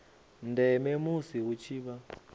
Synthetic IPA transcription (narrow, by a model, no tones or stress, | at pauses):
ndɛmɛmusiɦut͡ʃʰiːβa